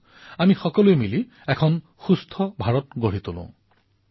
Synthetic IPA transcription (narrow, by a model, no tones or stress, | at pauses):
amixɔkɔluemili | ɛkʰɔn | xust̪ʰɔbʱaɹɔtɡoɹit̪ulʊ̰̃